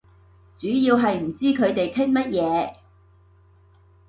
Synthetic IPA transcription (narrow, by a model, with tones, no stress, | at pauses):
t͡ʃyː˨˥jiː˧wɦɐ˨jm̩˨˩t͡siː˥kʰɵ˨˧ɥt̪e˨jt̪ʰɪ˥ŋmɐ˥t̚jɛː˨˧